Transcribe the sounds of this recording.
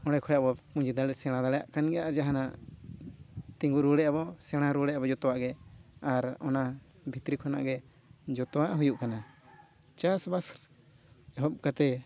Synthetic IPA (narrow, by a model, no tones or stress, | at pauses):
ɔɽɛkʰɔjaʔbɔpũd͡ʒid̪alɛsɛɽ̃ãd̪alɛjaʔkanɡɛjaʔd͡ʒaɦanaʔ | t̪ĩŋɡuɾuɽɛʔabɔsɛɽ̃aɾuɽɛabɔd͡ʒɔt̪ɔwaʔɡɛaɾɔ̰na | bʱit̪ɾikʰɔna̰ʔɡɛ | d͡ʒɔt̪ɔwaʔɦujuʔkana | t͡ʃasbasɾ | ɦɔp̚kat̪ɛ